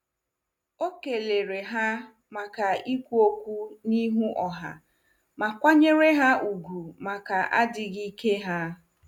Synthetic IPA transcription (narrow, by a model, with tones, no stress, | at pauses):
o˦ke˨le˨ɾe˨ɦa˦ | ma˨ka˨i˦kʷu˦o˦kʷu˦ni˦ɦu˦ʔɔ˨ɦa̰˨ | ma˨kʷa˦ɲe˦ɾe˦ɦa˦u˨ɡu˨ma˨ka˨ʔa˦dɪ˨ɣi˦ke˦ɦa˦